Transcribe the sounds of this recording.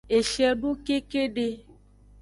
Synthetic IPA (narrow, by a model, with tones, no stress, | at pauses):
e˨ʃɛ˦ɖu˦ke˦ke˦ɖe˦